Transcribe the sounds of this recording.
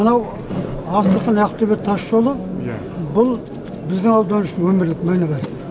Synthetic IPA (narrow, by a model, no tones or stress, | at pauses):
mənɑw | ɑst̪əqənɑjqə̥p̚t̪ʰeβett̪ʰɑʃʒo̞lˠə | bʊlˠ | bɪzd̪ɪŋɑlˠd̪ɑnuʃɪnwɵmɪɾlɪkmɑjnɑbɑɾ